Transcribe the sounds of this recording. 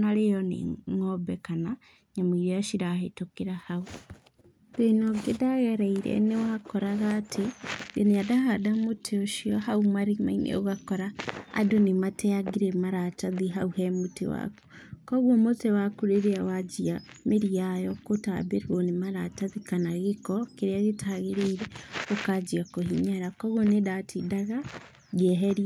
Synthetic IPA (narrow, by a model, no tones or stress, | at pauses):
naɾejɔnḛŋɔbɛkana | ɲamiɾeaʃiɾahetokeɾahau | ð̥enɔɡedaɣɛɾɛiɾɛ̰newakɔɾaɣaːtʰejɔneadaɦadamotʰeoʃiɔɦaumaɾima̰inḛoɣakɔɾaa̰donematʰɛaɡiɾɛmaɾataðiɦauhɛmotḛwa̰ku̥kɔɣwɔmotewakuɾeɾeawad͡ʒia | meɾiajɔkotabeɾuɔnemaɾataðikanaɣekɔkeɾeaɣetʰaɣeɾeiɾɛokad͡ʒiakohiɲaɾakɔɣonedatʰidaɣa | ɣɛɦɛɾia